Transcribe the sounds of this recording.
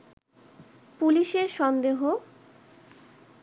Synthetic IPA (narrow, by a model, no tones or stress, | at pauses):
puliʃeɾʃɔnd̪eɦo